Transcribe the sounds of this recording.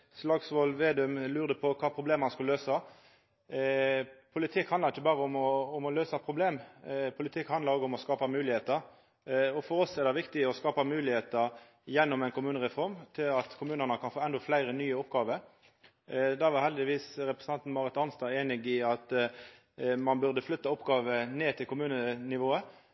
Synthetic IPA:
slɑɡsʋolʋeːd̪ʉmlʉːɾd̪əpʰɔkʰɑːpʰɾʊbleːmhɑnskʉlløːsɑ | pʰʊlɪt̪ʰɪkhɑnd̪ʁɪçːəbɑːɾəɔmɔɔmɔløːsɑpʰɾʊbleːmpʰʊlɪt̪ʰɪkhɑnd̪ɾoːɡəʊmɔskɑːpɑmʉːlɪheːt̪əɾ | ɔfɔɾɔsɛɾd̪ɛʋɪkt̪ɪɔskɑːpɑmʉːlɪheːt̪ə | jɛnːɔmɛɪnkʊmʉːnəʁɛfɔɾmt̪ʰɪlɑt̪kʰʊmʉːnənəkʰɑnfoːɛnd̪ɔflæɪɾənyːəʊpɡɑːʋəɾ | d̪ɑːʋɑhɛld̪ɪʋiːsɾɛpɾʁəsn̩ɑnt̪n̩mɑːʁɾət̪ɑnst̪ɑːeːnɪɡɪɑt̪ | mɑnbʉʁd̪əflʏt̪ːɑʊpːɡɑːʋəneːt̪ʰɪlkʰʊmʉːnənɪʋoːə

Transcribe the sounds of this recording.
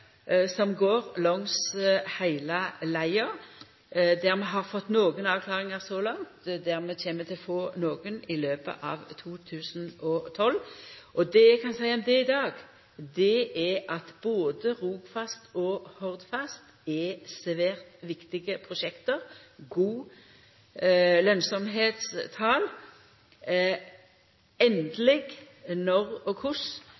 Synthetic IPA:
sɔmɡoːʁlɔŋshæɪləlæɪə | d̪æʁmɛɦɑʁfɔt̪ːnoːɡənɑʋkʰlɑːʁɪŋəʁsɔlɑŋt̪d̪æʁmɛçeːmːət̪ʰɪlfoːnoːɡənɪløːpə̰ʔɑ̰ʋt̪ʰuːt̪ʰʉːsənɔt̪ʰɔlʔɔd̪ɛjæɪkʰɑnsæɪəɔmd̪ɛɪd̪ɑːɡ | d̪ɛæʔɑt̪b̥oːd̪əʁuːɡfɑst̪ɔhɔʁd̪fɑst̪ | ɛsʋæːʁt̪ʋɪkt̪ɪɡəpʰʁʊʃɛkt̪əʁɡuː | lœnsɔmɦeːt̪st̪ʰɑːl | ɛnd̪lɪɡ | nɔʁɔkʰʊs

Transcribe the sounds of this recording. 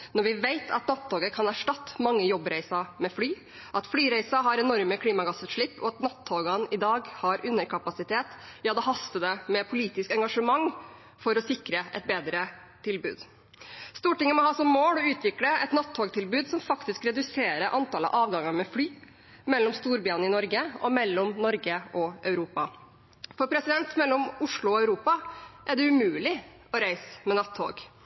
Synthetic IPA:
nɔɾʋɪʋeɪt̪ʰɑ̰t̪nɑt̪ʰːoːɡəɾkʰɑnæʂʈɑt̪ːmɑŋːəjɔbɾæɪsɑmɛflyː | ʔɑt̪flyːɾæɪsɑɦɑɾɛnɔɾməkʰliːmɑɡɑsəʂɭɪpːɔ̰ɑt̪nɑt̪ʰːoːɡɑnɪd̪ɑːɡhɑɾʔʉnːəɾkʰɑpɑsɪt̪ʰeːt̪jɑːd̪ɛɦɑst̪əd̪ɛmɛpʰʊliːt̪ɪskɛŋɡɑʂəmɑŋ | fɔɾɔsɪkɾəʔɛ̰t̪̚beːd̪ɾət̪ʰɪlbʉ̰ːd̪ | st̪uːʈɪŋːəmɔɦɑːsɔmːoːlɔʉːt̪ʋɪkləɛt̪nɑt̪ʰːoːɡt̪ʰɪlbʉːd̪sɔmfɑkt̪ɪskɾɛd̪ʉseːɾəʔɑnt̪ɑːlə̰ʔɑːʋɡɑŋːəɾmɛflyː | mɛlːɔmst̪uːɾbjɑːnəɪnɔɾɡəʔɔmɛlːɔmnɔɾɡəʔɔʔœʉɾuːpɑ | fɔɾpʰɾɛsɪd̪ɛnt̪mɛlːɔmʊʂɭʊɔæʉɾuːpɑʔæɖɛʉmʉːlɪ | ɔɾæɪsmɛnɑt̪ʰːo̰ːɡ

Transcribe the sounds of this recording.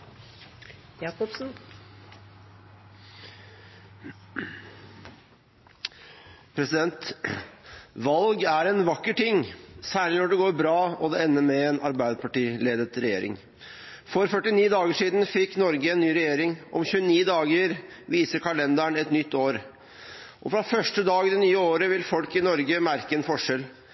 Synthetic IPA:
jɑːkɔpsn̩ | pʰɾɛsɪd̪ɛnt̪ | ʋɑlɡæɾɛnʋɑkːəʈɪŋːsæːɭɪnɔɖɛɡoːɾbɾɑːɔd̪ɛɛnːəmɛeːnʔɑɾbæɪd̪əpʰɑʈiːleːd̪ət̪ɾɛjeːɾɪ̰ŋ | fɔɾfœʈːɪniːd̪ɑːɡəʂiːd̪n̩fɪkːnɔɾɡəɛnːyːɾɛjeːɾɪŋʔɔ̰mçʉːəniːd̪ɑːɡəɾ | ʋiːsəɾkʰɑlɛnd̪æɳɛt̪nʏt̪ːoːɾ | ʔɔfɾɑfœʂʈəd̪ɑːɡd̪ɛnyːəoːɾəʋɪlfɔlkɪnɔɾɡəmæɾkəɛnfɔʂɛl

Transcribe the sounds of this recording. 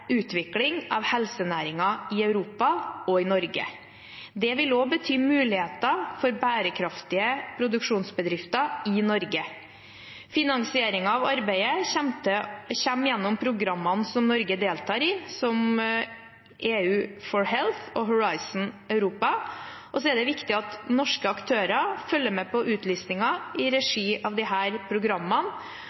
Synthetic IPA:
ʉːt̪ʰʋɪklɪŋɑːʋhɛlsənæːɾɪŋɑɪɑʉɾuːpɑɔɪnɔɾɡə̰ | d̪ɛʋɪloːbət̪ʰyːmʉːlɪheːt̪ɑfɔɾbæːɾəkʰɾɑft̪ɪəpʰɾʊd̪ʉkʂuːnsbəd̪ɾɪft̪ɑɪnɔɾɡə | fɪnɑŋsɪeːɾɪŋɑɑʋɑɾbæɪəɛmt̪əçɛmːjɛnːɔmpʰɾʊɡɾɑmːɑnsɔmnɔɾɡəd̪eːlt̪ʰɑːɾɪːsɔm | ʔeːʉːfɔɹhɛlθɔɦʊɹɑɪsn̩ɑʉɾuːpɑ | ʔɔs̬ɔɛd̪ɛʋɪkt̪ɪɑt̪nɔʂkəɑkt̪ʰøːɾɑfœlːəmɛpɔʔʉːt̪ʰlyːsnɪŋɑʔɪɾɛʂiːʔɑʋd̪ɪɦæːɾpʰɾʊɡɾɑmːɑn

